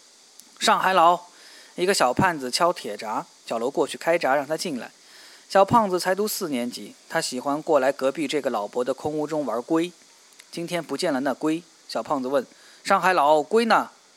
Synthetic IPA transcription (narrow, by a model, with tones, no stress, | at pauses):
ʂɑ˥˩ŋxa˧˥ɪlɑ˧˥ʊ | i˧˥ɡə˧ɕjɑ˨˩ʊpʰa˥˩nd͡zɹ̩˩t͡ɕʰjɑ˥ʊt̪ʰjɛ˨˩ʈ͡ʂa˧˥ | ɕjɑ˨˩ʊlo˧˥ʊkwɔ˥˧t͡ɕʰy˥˩kʰa˥ɪʈ͡ʂa˧˥ɻɑ˥˩ŋt̪ʰa˥t͡ɕi˥˩nla̰˧˩ɪ | ɕjɑ˨˩ʊpʰɑ˥˩ŋd͡zɹ̩˨˩t͡sʰa˧˥ɪt̪̬u˥sɹ̩˥˩njɛ˧˥nt͡ɕi˨˩˦t̪ʰa˥ɕi˨˩xwa˥nkwɔ˥˩la˧˥ɪkɤ˧˥pi˥˧ʈ͡ʂɤ˥˩ɡə˩lɑ˨˩ʊpwɔ˧˥d̪ə˧kʰʊ˥ŋu˥˧ʈ͡ʂʊ˥ŋwə˞˧˥kwe˥ɪ | t͡ɕi˥nt̪ʰjɛ˥npu˧˥t͡ɕjɛ˥˩nlə˨˩na˥˧kwe˥ɪ | ɕjɑ˨˩ʊpʰɑ˥˩ŋd͡z̩˩wə˥˩n | ʂɑ˥˩ŋxa˧˥ɪlɑ˧˥˦ʊkwe˥ɪnə˨